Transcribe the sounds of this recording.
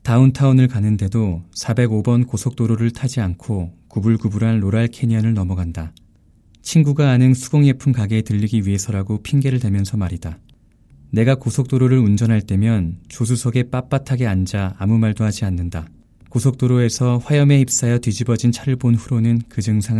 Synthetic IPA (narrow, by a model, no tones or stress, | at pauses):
tauntʰaunɯɭkanːɯnde̞dosʰabe̞ɡobʌnkosʰok̚t͈oɾoɾɯɭtʰad͡ʑiankʰokubuɭɡubuɾanɾoɾaɭkʰe̞ɲiʌnɯɭnʌmʌɡanda | t͡ɕʰinɡuɡaːnɯnsʰuɡ̥oŋe̞pʰunkaɡe̞tɯʎːiɡiɥiɦe̞sʰʌɾaɡopʰiŋɡe̞ɾɯɭtwe̞mjʌnsʰʌmaɾida | ne̞ɡakosʰok̚t͈oɾoɾɯɾund͡ʑʌnɦaɭt͈e̞mjʌnt͡ɕos̬ʰusʰʌɡe̞p͈ap͈atʰaɡe̞and͡ʑaːmumaɭdohad͡ʑianːɯnda | kosʰok̚t͈oɾoe̞sʰʌɸwajʌme̞ip̚s͈ajʌtɥid͡ʑibʌd͡ʑint͡ɕʰaɾɯɭbonɸuɾonɯnkɯd͡ʑɯŋsʰa